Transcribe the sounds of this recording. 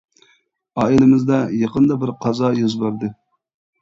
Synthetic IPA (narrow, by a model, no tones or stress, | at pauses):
ɑːilɪmɪzd̪ɑjɑqənd̪ɑbɪɾqʰɑzɑjozbɑɾd̪ɨ